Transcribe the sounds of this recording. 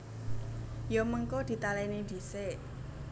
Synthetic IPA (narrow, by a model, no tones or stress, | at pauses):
joməŋkod̪̥i̤t̪alɛnid̪̥i̤se